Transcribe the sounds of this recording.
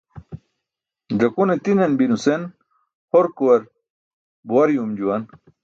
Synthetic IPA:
dɐkunet̪inenbinusen | hoɾkuwɐɾ | buwɐɾjumd͡ʑuwɐn

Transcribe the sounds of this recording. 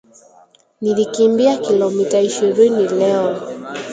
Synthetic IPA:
nilikimbiakilɔmitaiʃiɾinilɛɔn

